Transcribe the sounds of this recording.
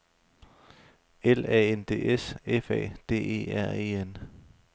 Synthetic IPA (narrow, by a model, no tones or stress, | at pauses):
elɛ̰ːend̥e̝̰ːʔesefɛ̰ːd̥e̝̰ːe̝̰ːæɐ̰e̝̰ːen